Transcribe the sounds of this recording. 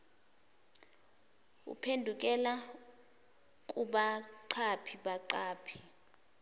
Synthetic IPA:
ṵpʰendʱuk̬ʼɛla | kʼuɓaǃʰapʰiɓaǃaːpʰi̥

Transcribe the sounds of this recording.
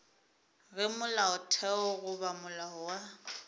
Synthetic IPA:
ɣɪmʊlaʊtʰɛɔɣʊβamʊlahʊwa

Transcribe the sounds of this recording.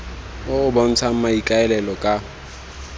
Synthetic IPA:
ʊʊbɔn̩t͡sʰam̩maikʼaɛlɛlɔkʼa

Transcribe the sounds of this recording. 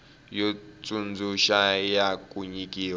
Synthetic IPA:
jɔt͡sʼund͡zuʃajakʼuɲikʼiːwa

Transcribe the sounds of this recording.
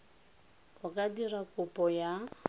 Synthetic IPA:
hʊkʼadirakʼʊpʼɔja

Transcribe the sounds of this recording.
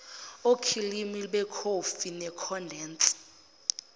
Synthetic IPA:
okʰilimiɓɛkʰofinɛkʰɔndʱɛːnt͡sʼi̥

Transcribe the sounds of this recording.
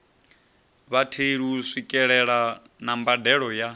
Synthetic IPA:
βatʰeɺisʷikʼɛɺɛɺa | nambadɛɺɔja

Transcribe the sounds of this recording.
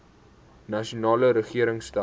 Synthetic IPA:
nɐʃunɑːləɾəχiəɾəŋsta

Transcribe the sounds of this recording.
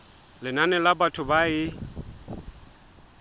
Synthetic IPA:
lɪnanɛlabatʰʊbaɪ

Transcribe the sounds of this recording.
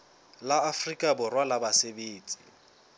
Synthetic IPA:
laːfrikʼabʊrwalabasebeːt͡sʼi̥

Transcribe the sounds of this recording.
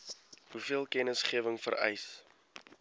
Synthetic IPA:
ɦufiəlˠkɛnəsχiəvəŋfə̰ɾɛ̰js

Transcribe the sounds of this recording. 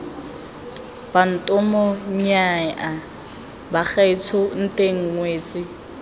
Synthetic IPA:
b̥an̩tʼɔmɔɲ̩ɲaɛʔa | bak͡xait͡sʰʊn̩tʼeŋ̩ŋweːt͡sʼɪ

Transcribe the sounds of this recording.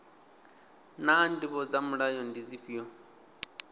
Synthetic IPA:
nandiβɔd͡zamuɺajɔndid͡ziɸijɔ

